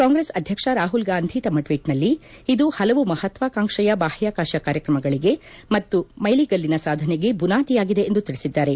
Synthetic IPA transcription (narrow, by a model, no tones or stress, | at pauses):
kaːŋɡɾesɐd̪ʱjɐkʂɐɾaːɦulɡaːnd̪ʱiːt̪ɐmɐʈʋiːʈnɐlːiid̪uhɐlɐʋumɐhɐt̪ʋakaːŋʂɐjɐbaːhjaːkaːʃjɐkaːɾjɐkɾɐmɐɡɐɭiɡe̞mɐt̪ːumɐjliɡɐlːinɐsaːd̪ʱɐneɡe̞bunaːt̪ijaːɡid̪e̞ːnd̪ut̪iɭisid̪ːaːɾe̞